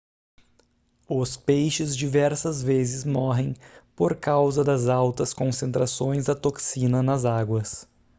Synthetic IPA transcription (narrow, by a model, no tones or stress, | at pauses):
ʊspejʃɪzd͡ʒivɛɾsɐzvezɪzmɔɦẽj̃poɾkawzɐd̪ɐzawt̪ɐskõsẽnt̪ɾasõj̃zd̪ɐt̪oksĩnɐnɐzaɡwɐs